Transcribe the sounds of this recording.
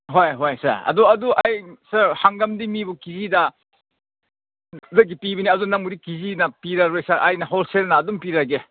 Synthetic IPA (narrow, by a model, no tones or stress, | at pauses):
ɦojɦojsɐ̰ɾɐ̰duɐduʔɐjsɐɾhaŋɡɐmdimibukizidɐ | lɐɡipibiniɐdunɐŋmuɾikizinɐpiɾɐɾojsɐɾʔɐ̰jnɐɦolselnɐːdumpiɾɐɡe